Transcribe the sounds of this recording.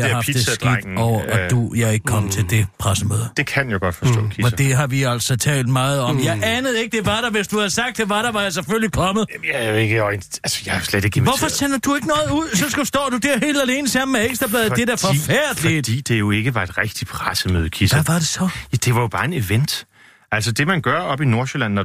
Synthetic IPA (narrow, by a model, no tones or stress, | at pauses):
hɑpʰdid̥essɡ̥ɡɒʊ̰ɐʔɒd̥ujɑɪe̝ɡ̥əkʰɒ̽m̰t͡sʰe̝ld̥e̝pʰʁasəmø̰ːð̞ˠd̥e̝kʰænjoɡ̥ɒd̥fɒsdɔ̰ːkʰiɒd̥eɦɑ̈ʋiæl̰sɒ̽t͡sʰɛ̰ːld̥mɑ̈ːð̞̩ˠɒ̽mjɑ̈ɪʔænəð̩ˠe̝ɡ̥əd̥e̝ʋɑ̈ɾ̥ɑʋe̝sd̥uhæðˠsɑ̈ɡ̥̚d̥ːeʋɑ̈ɾ̥ɑʋɑ̈jäɪs̬eføllikʰɒ̽mð̩ˠjajeɡ̥ənælsə̥jɑhjosled̥e̝ɡ̥eʋɒfɒsenɐd̥ue̝ɡ̥ənɔ̽ːð̩ˠuð̰ˠsɒ̽ssd̥ɒ̰ːd̥ud̥æɐ̰ɦe̝̰ːld̥æle̝ːnəsɑm̩ːeeɡ̥sd̥ʁɐb̥lɛːðˠd̥e̝d̥æɐfɒfæɐ̰d̥lid̥ḭːd̥e̝jo̝e̝ɡ̥əʋɑ̈e̝d̥ʁɛɡ̥d̥i̥pʰʁasəmø̰ːðˠkʰisæʋɑ̈ɾ̥e̝sɒ̽jæd̥e̝ʋɑ̈jo̝b̥ɑ̈ːe̝ne̝ʋen̰d̥ | ʔælsɒd̥e̝mænɡ̥ɶɐɒ̽b̥ino̝ɐsølænːɒ